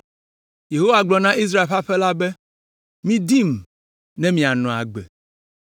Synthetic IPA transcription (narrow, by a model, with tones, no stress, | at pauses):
je˨ɦo˦wa˨ɡ͡blɔ˨nã˦i˦s̬ɾa˦e˨lɸa˦ɸɛ˦la˦bɛ˦ | mĩ˦di˦m | nɛ̃˦mĩ˨a˨nɔ̃˨a̰˨ɡ͡bḛ˨